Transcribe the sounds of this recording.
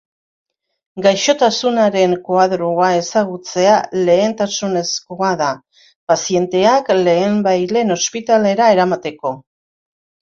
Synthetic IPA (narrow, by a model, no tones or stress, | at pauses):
ɡajʃo̞t̪asunaɾe̞ŋkoaðɾoae̞saɣut͡se̞ale̞ːnt̪asune̞sko̞aða | pasie̞nt̪e̞akle̞ːmbajle̞no̞spit̪ale̞ɾae̞ɾamat̪e̞ko̞